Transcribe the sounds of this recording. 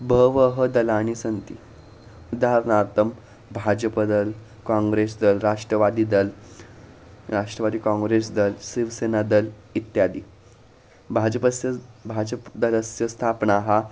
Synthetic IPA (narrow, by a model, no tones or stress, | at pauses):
bʱəʋəɦəd̪əlaɽ̃isənt̪ḭ | ud̪aɾnaɾt̪ʰəm | bʱad͡ʑəpəd̪əl | kãŋɡɾesd̪əlɾaʂʈɾəʋad̪iːd̪əl | ɾaʂʈɾəʋad̪iːkãŋɡɾesd̪əlsiʋsenad̪əl | it̪jad̪i | bʱad͡ʑəpəsjəbʱad͡ʑəpd̪ələsjəst̪ʰapɳaɦa